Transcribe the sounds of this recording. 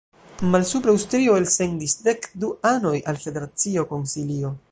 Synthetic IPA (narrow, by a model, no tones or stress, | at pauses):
malsupɾawstɾio̞else̞ndisde̞kduano̞jalfe̞de̞ɾat͡sio̞ko̞nsilio̞